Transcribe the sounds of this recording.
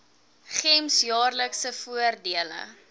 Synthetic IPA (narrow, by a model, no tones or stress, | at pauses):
χɛmsjɑːrləksəfuərdiələ̰